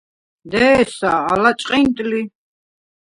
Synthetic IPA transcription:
d̪ɛsaːlat͡ʃʼqʼɛnt̪ʼli

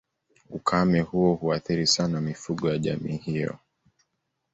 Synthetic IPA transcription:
ukʰamɛhuɔhuaθiɾisanamifuɠɔjaʄamiːhijɔ̰

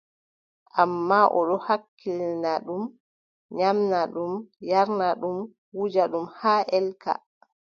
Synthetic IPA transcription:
ʔamːaʔɔ̰ɗɔhakʰːilnaɗum | ɲamnaɗumjaɾnaɗum | wud͡ʒaɗumhaːʔɛlka̰

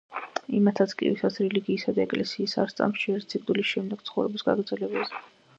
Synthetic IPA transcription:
imat̪ʰat̪sʰkʼḭvisat̪sʰɾɛliɡiːsad̪aɛkʼlɛsiːsa̰ɾst̪sʼa̰mʃiɛɾt̪ʰsʰikʼd̪ulisʃɛmd̪ɛɡ̥t̪sʰχɔvɾɛbisɡa̰ɡɾd̪zɛlɛbazɛ

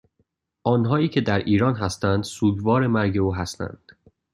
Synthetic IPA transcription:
ʔɒːnɦɒːiːcʰe̞d̪æɾiːɾɒːnɦæst̪ænd̪suːd̪vɒːɾe̞mæɾɟe̞uːɦæst̪æ̰nd̪̥

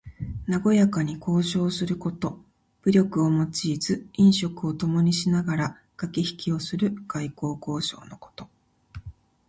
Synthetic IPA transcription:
naɡo̞jakaɲ̟iko̞ːɕo̞ːsɨɾɯ̟ko̞t̪o̞ | b̥ɯ̟ɾʲo̞kɯ̟omo̞t͡ɕiːzɨĩɰ̃ɕo̞kɯ̟o̞t̪o̞mo̞ɲ̟iɕinaɡaɾa | ɡ̥akʲiçi̥kʲio̞sɨɾɯ̟ɡ̥aiko̞ːko̞ːɕo̞̰ːno̞ko̞̥t̪o̞

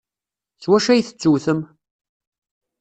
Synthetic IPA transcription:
swæʃæjθə̥t͡sːuwθəm

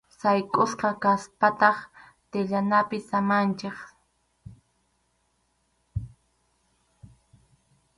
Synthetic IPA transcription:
sajkʼosqɑkaspat̪ɑχ | t̪ɪʎanapɪsamant͡ʃeχ

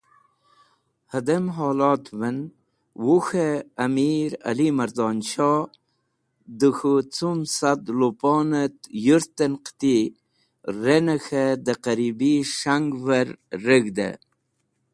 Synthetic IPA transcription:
həd̪əmɦoːlɑːt̪vən | wuxeːmiɾa̰limɐɾd̪ɑːnɕɑ | d̪əxut͡sumsad̪lopɑːnət̪juɾt̪ənqt̪i | ɾenəxed̪əqaɾibiʂaŋɡvəɾːəɡd̪ə̰

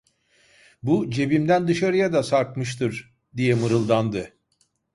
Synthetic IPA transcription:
bud͡ʒe̞bimd̪ænd̪ɯʃaɾɯjad̪asaɾkmɯʃ̬t̪ʰɯɾ | d̪ijɛmɯɾɯlˠd̪and̪ɯ

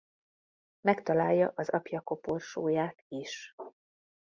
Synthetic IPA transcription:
mɛkt̪ɒlaːjːɒʔɒzɒpjɒko̞porʃoːjaːt̪iʃ

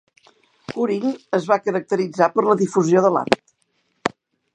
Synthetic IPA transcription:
kuɾinəzβakəɾək̚t̪əɾid͡zapəɾləðifuzioðəla̰t̪

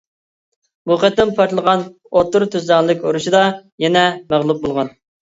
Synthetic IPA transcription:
muqət̪ːɪmnpʰɑɾt̪lˠəʁɑn | ot̪ːʊɾt̪ʰyzlɑɨlˠɨkʲoɾuʃid̪ɑjɛnɛmæʁlˠup̚bolˠʁɑn

